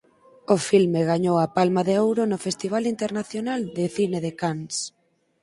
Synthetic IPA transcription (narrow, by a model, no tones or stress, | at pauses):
ʊfilmeɣaɲowapalmaðeowɾonʊfest̪iβ̞alint̪eɾnaθjonald̪ɪθineðekans